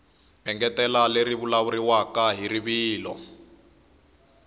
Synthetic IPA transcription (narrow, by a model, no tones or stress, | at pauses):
ɛŋɡɛtɛlaleɾiβulaβuɾiwakaɦiɾiβiːlɔ̰